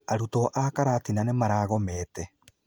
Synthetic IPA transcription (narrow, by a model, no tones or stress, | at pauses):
aɾutoʔakaɾaːtinanemaɾaːɣɔmɛːtɛ